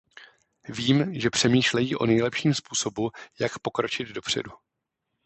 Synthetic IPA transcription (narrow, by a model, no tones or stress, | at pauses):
viːmʒɛpr̝̥ɛmiːʃlɛjiːʔo̞̰nɛjlɛpʃiːmspuːso̞bujakpo̞kɾo̞t͡ʃɪd̪do̞pr̝̥ɛ̰du